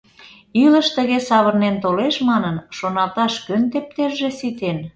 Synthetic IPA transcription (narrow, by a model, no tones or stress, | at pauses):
ylə̆ʃt̪ə̆ɣesɑβərnent̪oleʃmɑnənʃonɑlt̪ɑʃkønt̪ep̚t̪eʒːĕsit̪en